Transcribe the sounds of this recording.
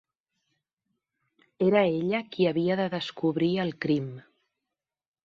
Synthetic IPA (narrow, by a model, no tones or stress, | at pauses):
eɾəeʎəkiəβiəðəðəskuβɾiəlˠkɾim